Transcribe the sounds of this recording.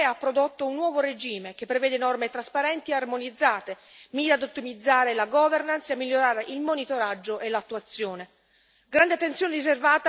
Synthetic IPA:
apːɾod̪ot̪ːounːwɔːvoɾed͡ʒiːmek̟epːɾevɛːd̪enɔrmet̪ɾaspaɾɛnt̪iearmonid̪zːaːt̪e | miːɾad̪ut̪ːimid̪zːaːɾelaɡɔvernansamːilːoɾaːɾeʔilmonit̪oɾad͡ʒːoʔelat̪ːuat̪sːjoːne | ɡɾand̪eat̪ːent̪sjoːneɾiservaːt̪

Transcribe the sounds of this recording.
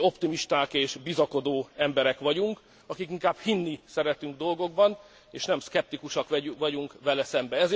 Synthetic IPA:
o̞pt̪imiʃt̪aːkeːʃbizɒko̞d̪oːɛmbɛɾɛkʋɒɟuŋk | ɒkikiŋkaːb̥hinːisɛɾɛt̪yŋɡd̪o̞lɡo̞ɡ̚bɒn | eːʃnɛmskɛp̚t̪ikuʃɒkʋɒɟuŋkʋɛlɛsɛmbɛɛz

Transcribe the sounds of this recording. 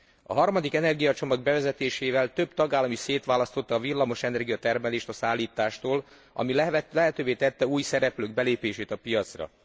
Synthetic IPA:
ɒ̰ɦɒrmɒd̪ikɛnɛrɡijɒt͡ʃo̞mɒɡ̚bɛvɛzɛt̪eːʃeːvɛlt̪ø̞bt̪ɒɡaːlːɒmiseːt̪ʋaːlɒst̪o̞t̪ːɒːvilːɒmo̞ʃɛnɛrɡijɒt̪ɛrmɛleːʃt̪ɒsaːlːiːt̪aːʃt̪oːl | ɒ̰millɛɦɛt̪øːveːt̪ɛt̪ːɛuːjsɛɾɛpløːɡ̚bɛleːpeːʃeːt̪ɒpijɒt̪srɒ̰

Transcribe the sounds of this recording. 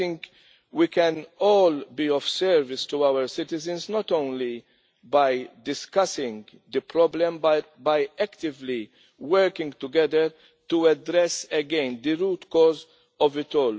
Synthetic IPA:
ɪ̃ŋk | wikɛ̃nɔːlbiɔfsɛɾvɪst̪uawəɾsɪt̪ɪzə̃nsnɔt̪ɔ̃ʊ̃nli | bɐjd̪ɪskɐsɪ̃ŋɡ | d̪əpɾɔblɛ̃mbɐt̚bɐjɛkt̪ɪvli | wəɾkɪ̃ŋɡt̪ʊɡɛd̪əɾ | tuɛdɾɛsɛɡɛ̃ɪnd̪əɾuːt̪kɔːz | ɔvɪt̪ɔːl

